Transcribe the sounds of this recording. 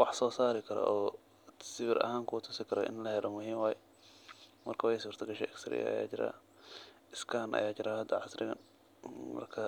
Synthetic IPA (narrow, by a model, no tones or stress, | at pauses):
wɑħsɔːsaːɾɪkʰɐɾɐ̰ʔɔː | sɪβɪɾʔɐ̰haːŋkʰʊt̪ʰʊsɪkʰɐɾɔ̰ʔɪ̰nlɐhɛlʔɔmʊɦiːmwaːjɛ | mɐrkʰɐwjsuːrt̪ʰɐɡɐʃɛ̰ɛkst̪ʰɾɪ̰jɐ̰ɐ̰ja̰ːt͡ʃɪɾa̰ː | ɪskʰaːnʔɐ̰jaːt͡ʃɪɾaːɦɐd̪ːɐʕɑsɾɪ̰ɣɐn | mɐ̰rkʰɐ